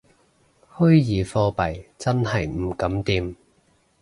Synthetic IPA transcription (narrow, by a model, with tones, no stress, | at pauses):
hɵ˥ɥjiː˨˧fɔː˧pɐ˨jt͡sɐ˥nhɐ˨jm̩˨˩kɐ˨˥mt̪iː˧m